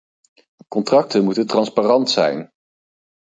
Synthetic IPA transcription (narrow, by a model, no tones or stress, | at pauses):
kɔntrɑk̚tənmutəntrɑnspaːrɑntsɛ̰jn